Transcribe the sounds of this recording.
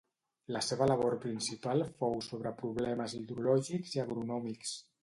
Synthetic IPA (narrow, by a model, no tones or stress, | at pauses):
ləseβələβ̞oɾpɾinsipalˠfowsoβ̞ɾəpɾuβlɛməziðɾulɔʒikziaɣɾunɔmiks